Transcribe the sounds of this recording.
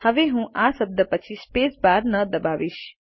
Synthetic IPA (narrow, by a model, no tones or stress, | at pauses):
həʋeɦũʔasəb̚d̪əpət͡ʃʰispesbaɾnəd̪əbaʋiʃ